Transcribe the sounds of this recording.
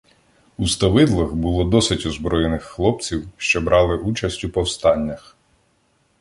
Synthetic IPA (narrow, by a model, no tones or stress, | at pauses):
ust̪ɐʋɪd̪lˠɐxbʊlˠɔd̪ɔsɪtʲɔzbɾɔjenɪxːlˠɔp̚t͡sʲiwʃt͡ʃɔbɾʔɑlˠɪʔut͡ʃɐsʲtʲupɔwst̪ɑnʲːɐx